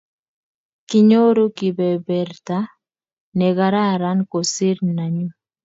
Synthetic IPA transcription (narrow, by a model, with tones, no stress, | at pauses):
kɪ˨ɲo˦ɾo˦ki˨bɛ˨bɛ˨rt̪a˦ | nɛ˨ɡa˨ɾa˦ɾa˦nko˨si˦ɾna˨ɲu˦